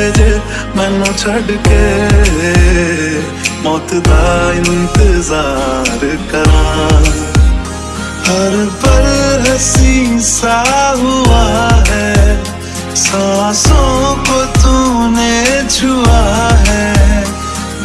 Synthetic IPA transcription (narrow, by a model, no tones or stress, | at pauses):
mɛ̃ːnot͡ʃʰɐɖke | mɔːt̪d̪aɪ̃nt̪ɪzaːɾkɐɾa | hɐɾbɐɾɦɐsĩsaɦuaɦɛ | sɔːsõkot̪unet͡ʃʰuaɦɛː